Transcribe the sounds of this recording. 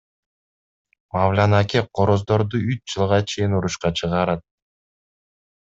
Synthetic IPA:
mavlʲanakʲeqʰoɾozd̪o̞ɾd̪uyt͡ʃd͡ʒɯlˠʁɑt͡ʃʰe̞jinuɾuʃqɑt͡ʃʰɯʁɑɾɑt̪̚

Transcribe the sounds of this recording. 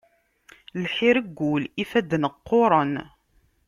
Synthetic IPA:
lħiɾəɡːulifæd̪nəqːʊɾˤən

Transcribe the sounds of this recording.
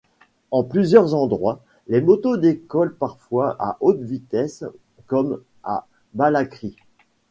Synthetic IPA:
ɑ̃plyzjœʁzɑ̃d̪ʁwa | lemɔt̪od̪ekɔlpaʁfwaʔa̰ʔot̪vit̪ɛs | kɔm | a̰ | balakχi

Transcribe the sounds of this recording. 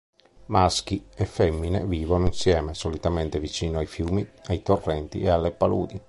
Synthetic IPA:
mask̟iefːɛmːinḛviːvonoinsjɛːmesolit̪ament̪evit͡ʃiːnoajfjuːmiajt̪orːɛnt̪ḭealːepalṵːd̪i

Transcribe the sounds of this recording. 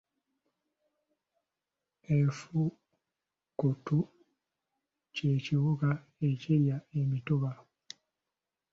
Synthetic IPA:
efu | kutu | ceciβuɡa | e̞ciɾjaemitoβa

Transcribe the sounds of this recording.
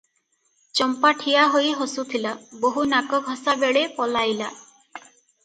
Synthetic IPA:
t͡ʃɔmpaʈʰijaɦojɦosut̪ʰilaboɦunakɔɡʱɔsabeɭepɔlajla

